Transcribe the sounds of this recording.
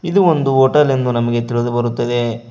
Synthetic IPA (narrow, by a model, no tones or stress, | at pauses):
id̪uond̪uoːʈɐlend̪unɐmɐɡe̞t̪iɭud̪ubɐɾut̪ːɐd̪e̞